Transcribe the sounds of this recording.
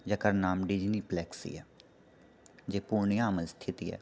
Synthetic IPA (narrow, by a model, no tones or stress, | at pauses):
d͡ʒəkəɾnaːmɖɪd͡ʒniːplɛːksḭɛː | d͡ʒeːpuːɾɳijãːəməlst̪ʰɪt̪iːɛ̰ː